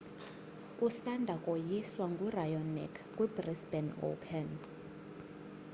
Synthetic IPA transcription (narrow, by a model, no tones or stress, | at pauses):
usandʱakʼojiswaŋɡʱurajɔnɛ̰kʰkʼwibrisbɛno̰pʰɛn